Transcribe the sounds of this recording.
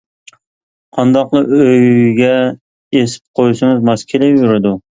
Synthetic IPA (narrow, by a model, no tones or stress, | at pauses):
qʰɑnd̪ɑqlˠɨøjɡʲɛ | esɪ̥p̚qʰojsɪŋɨzmɑskʲʰelɛjuɾɪd̪u